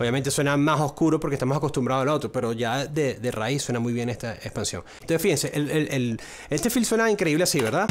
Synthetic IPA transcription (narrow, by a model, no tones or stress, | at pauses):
oβjament̪e̞swe̞namaso̞skuɾopoɾkest̪amosako̞st̪ũmbɾaðoalot̪ɾope̞ɾo̞ʝaðeðera̰isːwe̞namujβje̞nest̪aekspansjoŋenosfihense̞ʔelelel | est̪e̞filswe̞naiŋkɾe̞iβleasiβe̞ɾða